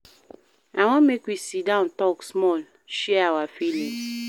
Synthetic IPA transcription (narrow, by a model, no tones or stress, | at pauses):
aw̃ŋɔ̃mekwisidãʊ̃ntɔksmɔl | ʃɛawafilĩŋ